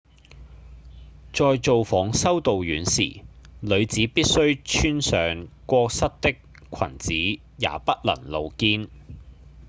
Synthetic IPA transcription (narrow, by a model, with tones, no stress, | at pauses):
t͡ʃɔː˧jt͡so˨wfɔː˨˥ŋsɐ˥wt̪o˨wjyː˨˥nsḭː˨˩lɵ˨˧ɥt͡siː˨˥piː˥t̚sɵ˥ɥt͡ʃʰyː˥nsœː˨ŋkʷɔː˧k̚sɐ˥t̚t̪ɪ˥k̚ | kʷʰɐ̰˨˩nt͡siː˨˥ | ja̰ː˨˥pɐ˥t̚lɐ̰˨˩ŋlo˨˧wkiː˥n